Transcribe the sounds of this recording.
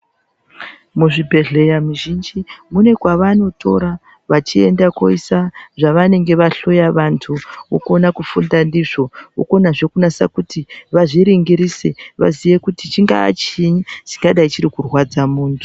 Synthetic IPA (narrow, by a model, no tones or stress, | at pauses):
muʐibʱe̞ɮe̞jamiʒind͡ʒimune̞kwaʋano̞tʰo̞ɾa | ʋat͡ʃie̞̰ndakoisaʐaʋane̞ŋɡe̞ʋaɬo̞jaʋantʰuo̰konakufundandiʐo̞o̰ko̞naʐe̞kunasa̰kutiʋaʐiɾiŋɡiɾise̞ʋa̰ziʋe̞kutit͡ʃiŋɡa̰ːt͡ʃiɲit͡ʃi̥ŋɡaɗait͡ʃiɾikurwad͡zamuːntʰu